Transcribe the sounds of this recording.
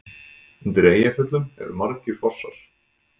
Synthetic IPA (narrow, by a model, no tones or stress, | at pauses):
nt̪ɾeːjafʏt̪lʏmɛ̰vʏ̰maɾcʏ̥fɔsːa̰ɾ̥